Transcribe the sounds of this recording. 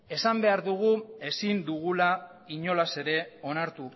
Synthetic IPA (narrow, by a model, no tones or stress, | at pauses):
e̞sambe̞aɾðuɣ̞ue̞sind̪uɣula | iɲo̞lase̞ɾe̞o̞naɾt̪u